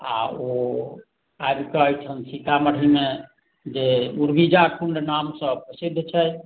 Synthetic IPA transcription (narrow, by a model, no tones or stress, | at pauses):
a̰o | ajbkəəjt͡ʃʰənsit̪aməɽ̤ime | d͡ʒeuɾbid͡ʒakʰuɳɖnamsəpəsid̪ʱːt͡ʃʰɛ